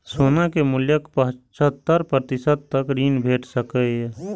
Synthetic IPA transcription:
soːnakemʊljəkpəɦt͡ʃət̪ːəɾpɾt̪ɪsəd̪̚t̪əkɾiːnbʱeːʈʰsəkəj

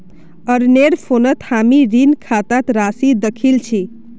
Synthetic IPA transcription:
əɾneɾpʰonət̪hamiɾinkʰat̪at̪ɾasid̪əkʰilt͡ʃʰi

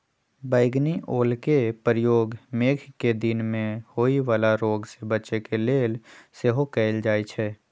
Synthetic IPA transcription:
bəɪɡniʔoːlkepəɾjoːɡmeːkʰked̪ɪnmẽhoːiʋaːlaɾoːɡsebətːʃekeleːlseɦokɛːld͡ʒaːit͡ʃʰɛː

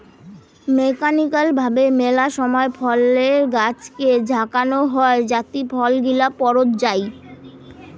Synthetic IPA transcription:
mekanikalbʱabemelaʃɔmɔefʰɔleɾɡat͡ɕked͡ʑʱakanoɦɔed͡ʑat̪ipʰɔlɡilapɔɾot̪d͡ʑaj

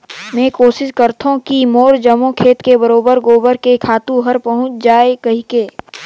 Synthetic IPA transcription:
mɛ̃ːkoːʃɪskəɾt̪ʰoũkimoːɾd͡ʒəmõkʰeːt̪kebəɾoːbəɾɡoːbəɾkekʰaːt̪ũɦɐɾpɐɦʊ̃t͡ʃd͡ʒaːekɐɦɪkeː

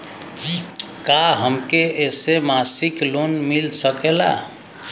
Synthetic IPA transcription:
kaɦəmkeesemasiklonmilsəkela̰

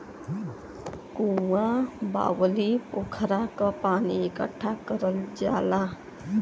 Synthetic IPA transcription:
kuwaba̰wəlipokʰəɾakʌpaniekʌ̰ʈʰːakʌɾʌld͡ʒa̰la

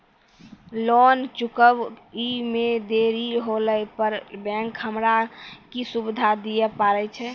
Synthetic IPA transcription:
lont͡ʃukəbimed̪eɾiɦoləpəɾbɛ̃ŋkɦəmɾakisubid̪ʱad̪ijɛpaɾɛt͡ʃʰɛ

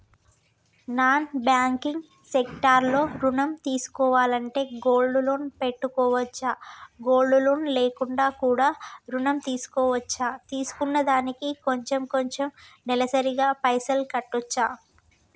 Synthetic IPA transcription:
naːnbjaːŋkiŋɡ | sekʈaːɾlo̞ːɾunɐmt̪iːsu̥kɔːʋaːlɐɳʈe̞ːɡo̞ːlɖuloːnpe̞ʈːukɔːʋɐt͡ʃːaːɡo̞ːlɖuloːnle̞ːkuɳɖaːkuːɽaːɾunɐmt̪iːsu̥kɔːʋɐt͡ʃːaːt̪iːsu̥kunːɐd̪aːnikiko̞ɲt͡ʃemko̞ɲt͡ʃemnɛlɐsɐɾiɡaːpɐjsɐlkɐʈːɔt͡ʃːaː

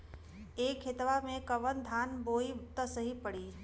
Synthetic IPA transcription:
eːkʰːɪt̪ʋamẽkəʋənd̪ʱaːnboːit̪əsəɦipəɽiː

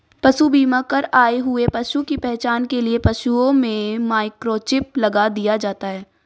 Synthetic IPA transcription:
pɐʃubiːmakəɾaːeɦʊepɐʃukipɛɦt͡ʃaːnkeliepɐʃuõmẽmaːɪkɾoːt͡ʃɪp̚lɐɡad̪ijad͡ʒaːt̪aɦɛː

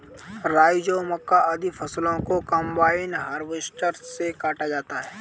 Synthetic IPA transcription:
ɾaːjd͡ʒomɐkːaʔɐd̪ʱifʰɐslõkokɐ̃mbaːɪnɦaːɾʋɪsʈəɾsekaːʈad͡ʒaːt̪aɦɛː

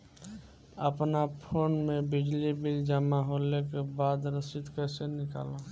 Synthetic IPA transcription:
əpnapʰoːnmẽbɪd͡ʒlibɪld͡ʒamaɦoːlekebaːd̪ɾəsɪt̪kəsenɪka̰ːla

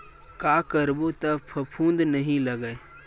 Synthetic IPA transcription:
kaːkəɾbot̪əpʰəpʰũːnd̪nəɦĩləɡəe

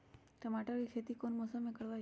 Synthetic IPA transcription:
ʈəmaʈəɾikʰet̪ikonmɔsəmekəɽʋa

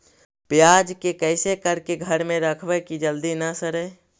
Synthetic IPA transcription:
pjaːd͡ʒkekɛːsekəɾkeɡʱəɾmẽɾəkʰʋɛkid͡ʒəld̪inasəɾɛː

